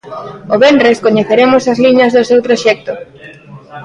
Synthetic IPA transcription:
oβendreskoɲeθeɾemʊsɐzliɲɐzðosewt̪ɾoʃɛk̚t̪o

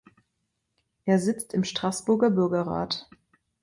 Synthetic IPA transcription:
ʔeːɐzɪt͡stɪmʃtʁ̥asb̥ʊɐɡɐbʏɐɡɐʁa̰ːt

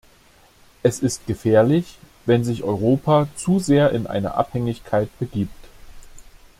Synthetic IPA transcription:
ʔɛsɪst̚ɡ̥əfɛːɐlɪç | vɛnzɪçʔɔʏʁ̞oːpʰat͡suːzeːɐʔɪnʔa̰ɪnɐ̰ʔa̰phɛŋɪçkʰaɪt̚b̥əɡiːpt

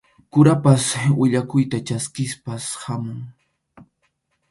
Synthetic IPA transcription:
kʊɾapaswɪʎakʊjt̪at͡ʃaskɪspashamʊŋ

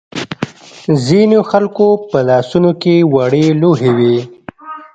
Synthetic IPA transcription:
zinoxalkopəlɑsunokewaɽeloɦewi

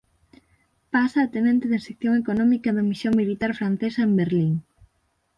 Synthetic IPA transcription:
pasaːt̪enẽnt̪eðesekθjoŋekonɔmikɐðɐmisjoŋmilit̪aɾfɾan̟θesɐembeɾliŋ

